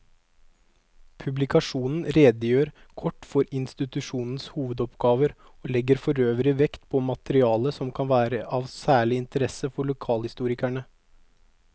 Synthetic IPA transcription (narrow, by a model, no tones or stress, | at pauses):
pʰʉblɪkɑʂuːnn̩ɾeːd̪əjøːɾ | kʰɔʈːfɔɾɪnst̪ɪt̪ʉʂuːnn̩shuːʋəd̪ɔpɡɑːʋəɾ | oːlɛɡəɾfɔɾøːʋəɾɪʋɛkt̪pʰɔmɑt̪əɾɪɑːləsɔmkʰɑnʋæːɾəʔɑːʋsæːɭɪɪnt̪əɾɛsəfɔɭʊkʰɑːlhɪst̪uːɾɪkæɳə